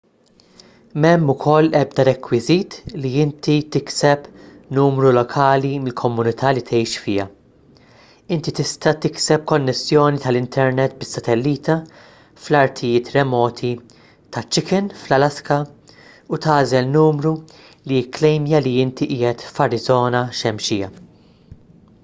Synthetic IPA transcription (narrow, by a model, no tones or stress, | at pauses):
mɛmːʊkʰɔlːɛbd̪ɐɾɛkwɪziːt̪liɪnt̪it̪ɪksɛp | nuːmɾulɔkʰɐːlimɪlkʰɔmːʊnɪt̪ʰɐːlit̪ʰɛjʃfɪːɐ | ɪnt̪it̪ɪst̪ɐt̪ɪksɛp̚kɔnːɛsːjɔːnit̪ɐlɪnt̪ʰɛɾnɛt̪bɪsːɐt̪ɛlːiːt̪ɐ | flɐɾt̪ʰɪjɪːt̪ɾɛmɔːt̪ʰi | t̪ɐt͡ʃːɪkɛnflɐlɐskɐ | ut̪ɐːzɛlnuːmɾu | liklɛjmjɐliɪnt̪iʔiːjɛt̪fɐɾɪzɔːnɐʃɛmʃɪːɐ̰